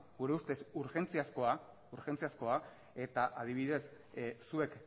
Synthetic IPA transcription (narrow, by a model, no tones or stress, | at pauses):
ɡuɾe̞ust̪e̞suɾxe̞nt͡siasko̞a | uɾxe̞nt͡siasko̞a | e̞t̪aʔað̞iβiðe̞sː | ue̞k